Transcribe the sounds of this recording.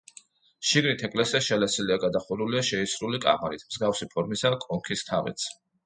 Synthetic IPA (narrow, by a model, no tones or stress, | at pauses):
ʃiɡnit̪ʰɛkʼlɛsiaʃɛlɛsiliaɡad̪aχuɾuliaʃɛisɾulikʼa̰maɾit̪ʰmz̥ɡafsipʰɔɾmisakʼɔŋkʰist̪ʰavɛ̰t̪sʰ